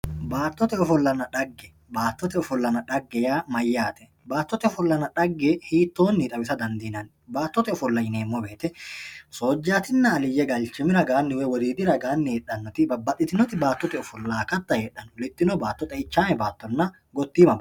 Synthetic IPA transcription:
baːt̪ːɔt̪ɛɔfɔlːɐnɐᶑɐɡːɛ | baːt̪ːɔt̪ɛɔfɔlːɐnɐᶑɐɡːɛjaːmɐjːaːt̪ɛ | baːt̪ːɔt̪ɛɔfɔlːɐnɐᶑɐɡːɛhiːt̪ːoːnːiːt̪ʼɐwɪsɐd̪ɐnd̪iːnɐn | baːt̪ːɔt̪ɛɔfɔlːɐjɪneːmːɔbe̞ːt̪ɛsoːd͡ʒːaːt̪ɪnːɐːlɪjɛɡɐlt͡ʃɛmɪɾɐɡaːnːɪwɛwɔd̪iːd̪ɪɾɐɡaːnːɪheːᶑɐnːɔt̪ɪbɐbːɐt̪ʼːɪt̪ɪnɔt̪ɪbaːt̪ːɔt̪ɛɔfɔlːaːkɐt̪ːɐheːᶑːɐnɔlɪt̪ːɪnɔbaːt̪ːɔt̪ʼɛɪt͡ʃːaːmɛbaːt̪ːɔnːɐ | ɡɔt̪ːiːmɐb

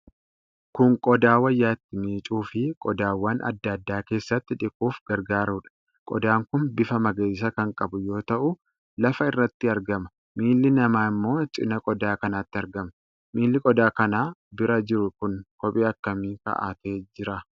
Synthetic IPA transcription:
kʊŋkʼɔd̪aːwɐjːaːt̪ːɪmiːt͡ʃʼuːfɪkʼɔd̪aːwːaːnʔɐ̰d̪ːaːd̪ːaːke̞ːsːɐt̪ːɪᶑɪkʼuːfɡɐɾɡaːɾuːᶑɐ̥ | kʼɔ̰d̪aːŋkʊnbɪfɐmɐɡeːs̬ɐkɐŋkʼɐbʊjo̞ːt̪ɐʔʊ | lɐfɐɪrːɐt̪ːɪɐɾɡɐmɐ̥ | miːlːɪnɐmaːɪmːo̞ːt͡ʃʼɪ̰nɐkʼɔd̪aːkɐnaːt̪ːɪɐɾɡɐmɐ | miːlːɪkʼɔd̪aːkɐnaːbɪɾɐd͡ʒɪɾʊkʊnkɔpʼiːɐkːɐmiːkɐ̰ʔa̰ːt̪eːd͡ʒɪɾɐ

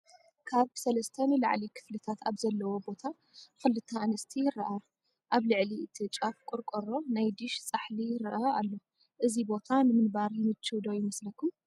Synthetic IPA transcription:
kʰaβsɐlɐst̪ʰɐnɨla̰ʕlikʰɨ̥flɨt̪ʰat̪ʰaβzɐlːɐwo̞bo̞t̪ʰa | xɨlɨt̪ʰːɐːnɐst̪ʰijɪɾɐʔa | ʔaβlɨʕliɨt̪ʰɨt͡ʃʼafkʼʊɾkʼoɾo̞najd̪ɨʃt͡sʼaħlijɪɾɐʔaalːo̞ | ʔɨzibo̞t̪ʰanɨmɨnbaɾjɪnɨt͡ʃʰːɨd̪o̞jɪmɐslɐkʰːum

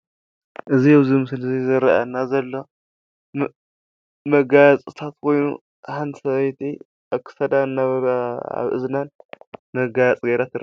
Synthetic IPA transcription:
ʔɨziawzimɨsɨlɐzizɨɾɐ̰ʔa̰nːazɐlːo̞ | mɐɡajat͡sʼɨt̪ʰat̪kʰo̞jnṵ | hant̪sɐβjt̪ʰi | ʔakʰːɨ̥sɐd̪anːaβa̰βʔɨ̰znanmɐɡajat͡sʼɡɐjɾat̪ʰɨɾ

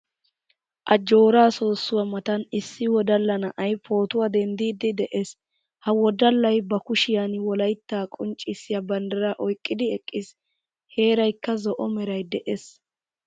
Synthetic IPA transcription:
ʔɐd͡ʒo̞ːɾaːso̞ːsːʊwɐmɐt̪ɐnɪsːɪwɔd̪ɐlːɐnɐʔɐjpʰo̞ːt̪ʊwad̪ɛnd̪iːd̪ɪd̪ɛʔes | hɐwɔd̪ɐlːɐjbɐkʊʃɪjanwɔlɐjt̪ːaːkʼʊnt͡ʃʼːɪsːɪjabɐnd̪ɐɾaʔɔjkʼːɪd̪ɪɛkʼːɪs | he̞ːɾɐjkːɐzɔʔɔmɛɾɐjd̪ɛʔes

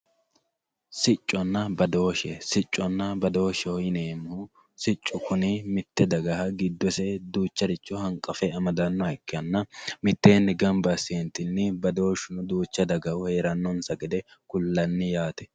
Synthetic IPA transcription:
sɪt͡ʃʼːɔnːɐbɐd̪o̞ːʃɛsɪt͡ʃʼːɔnːɐbɐd̪o̞ːʃɛɔɪneːmʊhʊ | sɪt͡ʃʼːʊkʊnɪmɪt̪ːɛd̪ɐɡɐɦɐɡɪd̪ːɔsɛd̪uːt͡ʃːɐɾɪt͡ʃːɔhɐŋkʼːɐfɛɐmɐd̪ɐnːɔɪkːɪɐnːɐmɪt̪ːeːnːɪɡɐmbɐseːnt̪ːɪnːɪbɐd̪o̞ːʃʊnʊd̪uːt͡ʃːɐd̪ɐɡɐhʊheːɾɐnːɔnsɐɡɛd̪ɛkʊlːɐnːɪjaːt̪ɛ̥

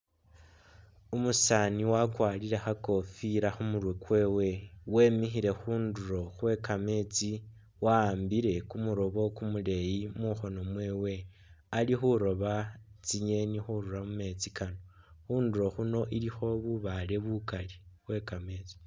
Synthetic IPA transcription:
umusaniwakwaːliɾe̞xako̞fiɾaxumuɾwekwe̞ːwe̞we̞mixiɾe̞xuːnduɾo̞xwe̞kame̞t͡si | waːmbiɾe̞kumuɾo̞βo̞kumule̞jimuxo̞no̞mwe̞ːwe̞ | alixuɾo̞βat͡siɲe̞nixuɾuɾamume̞t͡sikano | xuːnduɾo̞xuno̞ʔilixo̞βuβale̞βukaliβwe̞kame̞ːt͡si̥

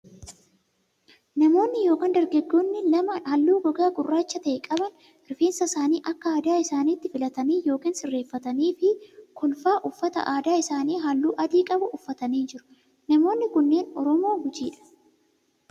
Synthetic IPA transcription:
nɐmo̞ːnːɪjo̞ːkaːnd̪ɐɾɡɐɡːoːnːɪlɐmɐhɐlːuːɡɔɡaːɡʊrːaːt͡ʃːɐt̪ɐʔɛkʼɐbɐn | ɪɾfeːnsɐsaːniːʔɐkːɐaːd̪aːɪsaːniːt̪ːɪfɪlɐt̪ɐniːjo̞ːkiːnsɪrːe̞ːfːɐt̪ɐniːfɪkʰɔlfaːʔʊfːɐt̪ɐ̰ʔaːd̪aːɪsaːniːɦɐlːuːʔɐd̪iːkʼɐbʊʔʊfːɐt̪ɐniːnd͡ʒɪɾʊ̥ | nɐmo̞ːnːɪkʊnːe̞ːnɔɾɔmoːɡʊt͡ʃiːᶑɐ̥

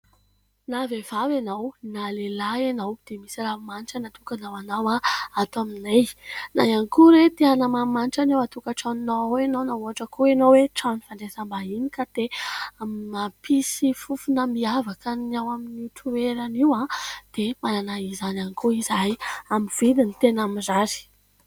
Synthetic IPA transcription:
navevavanawnalelaanawd̪̥emisiɾaumaniʈ͡ʂənat̪ukanawanawaat̪aminejna̰janikuɾet̪eanamamanʈ͡ʂanawat̪ukəʈ͡ʂaninaawenownaɦuɦaʈ͡ʂəkʰuenowweʈ͡ʂanifaɳɖ͡ʐezambainikat̪eammapisifufunəmiavakaniawaminiuʈ͡ʂueɾaniwad̪̥emananaizananikuizajamiv̥id̪init̪enaminzazi̥

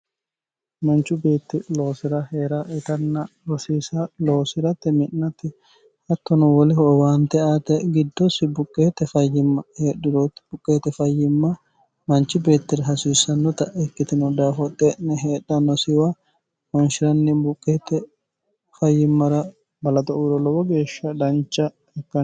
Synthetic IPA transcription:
mɐnt͡ʃːʊbe̞ːt̪ːɪlo̞ːsɪɾɐheːɾɐʔɛt̪ɐnːɐ | ɾɔsiːsɐlo̞ːsɪɾɐt̪ːɛmɪnːɐt̪ːɪ | hɐt̪ːɔnɔwɔlɪɦɔwaːnt̪ɛaːt̪ɛɡɪd̪ːɔsɪbʊkʼːeːt̪ɛfɐjːɪmɐheːᶑːɪɾot̪ːɪ̥bʊkʼːeːt̪ɛfɐjːɪmːɐ | mɐnt͡ʃːɪbe̞ːt̪ːɪɾɐɦɐsiːsːɐnːɔt̪ɐʔɛkːɪt̪ɪnɔd̪aːfɔt̪ʼːɛʔnɛɦeːᶑːɐnɔsɪwa | wɔnʃɪɾɐnːɪbʊkʼːeːt̪ːɛ | fɐjːɪmːɐɾɐ | bɐlɐt̪ɔʔuːɾɔlɔwɔɡe̞ːʃːɐd̪ɐnt͡ʃːɐ | ɛkːɐn

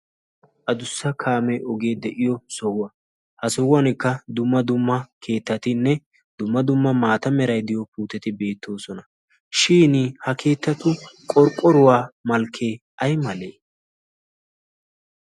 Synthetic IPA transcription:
ʔɐd̪ʊsːɐkʰaːmɛʔɔɡe̞ːd̪ɛʔɪjɔsɔwʊwɐ | hɐsɔwwɐnɪkːɐd̪ʊmːɐd̪ʊmːɐkʰe̞ːt̪ːɐt̪ɪnːɛ | d̪ʊmːɐd̪ʊmːɐmaːt̪ɐmɛɾɐjd̪ɪjɔpuːt̪ɛt̪ɪbe̞ːt̪ʰːo̞ːsɔnɐ | ʃiːnhɐkʰe̞ːt̪ːɐt̪ʊkʼɔɾkʼːɔɾʊwaːmɐlkʰːe̞ː | ʔɐjmɐleː

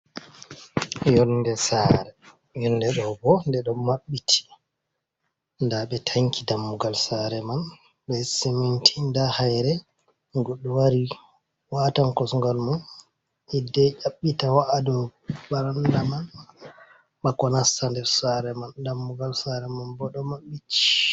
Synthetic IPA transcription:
jɔndɛsaɾɛ | jɔnːdɛɗɔbɔndɛɗɔmaɓːitʰi̥ | ndaɓɛtʰaŋkidamːuɡalsaɾɛman | bɛsimintʰindahajɾɛ | ɡɔɗːuwaɾi | watankɔsŋɡɔlman | idɛʔaɓːitawaʔadɔbaɾandaman | ɓakɔnasandɛsaɾɛmandamːuɡalsaɾɛmanbɔɗɔmaɓːiti̥

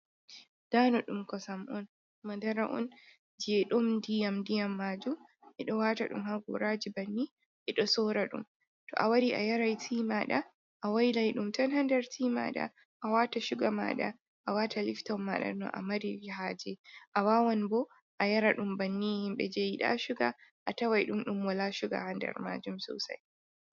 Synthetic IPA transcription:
d̥anɔɗumkɔsamʔɔn | madaɾaʔɔ̰n | d͡ʒɛɗɔmdijamdijamːaːd͡ʒu | ʔɛɗɔwaːtaɗṵmhaɡṵɾad͡ʒibanːi | ʔɛɗɔsɔɾaɗṵm | tɔ̰ʔawaɾiʔa̰jaɾajtʰiːmaɗa | ʔawajlajɗumtanhandaɾtʰiːma̰ɗa̰ | ʔawataʃuɡama̰ɗa̰ | ʔawatʰaliftamːaɗa̰nɔ̰ʔa̰maɾiɾiɦad͡ʒɛʔawawɔnbɔ | ʔajaɾaɗumbanːihimɓɛd͡ʒejiɗa̰ʃuɡaʔːtawajɗumɗumwalaʃuɡa̰handɛ̰ɾma̰ːd͡ʒumsɔ̰sa̰j

